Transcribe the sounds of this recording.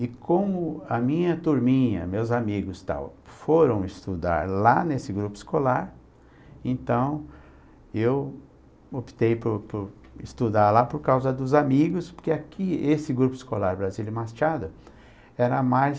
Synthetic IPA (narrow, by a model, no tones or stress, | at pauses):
ɪkõmʊɐmĩɲɐt̪uɾmĩɲɐ̰mewzamiɡʊst̪a̰wfoɾɐ̃w̃ɪst̪ud̪a̰ɾlanesɪɡɾupʊɪ̥skolaɾ | ẽnt̪ɐ̃w̃ | ew | opi̥t̪ejpʊpʊɾ | ɪst̪ud̪aɾlapoɾkawzɐd̪ʊzamiɡʊspoɾkeakʰiesɪɡɾupʊɪ̥skolaɾbɾazilɪmast͡ʃad̪ʊ | ɛɾɐmajs